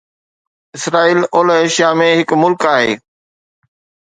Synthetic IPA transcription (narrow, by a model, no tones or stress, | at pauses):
ɪsɾaːiːloːleːʃjamẽɦɪkmʊlkaːɦḛː